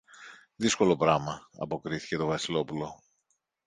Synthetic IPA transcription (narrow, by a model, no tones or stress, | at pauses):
ðisko̞lo̞pɾɐmɐɐ̰po̞kɾiθi̥ce̞t̪o̞vɐsilo̞pulo̞